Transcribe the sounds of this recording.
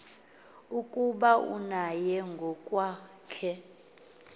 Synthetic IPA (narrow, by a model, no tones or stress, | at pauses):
ukʼuɓaṵnajɛŋɡʱɔkʼwaː | kʰɛ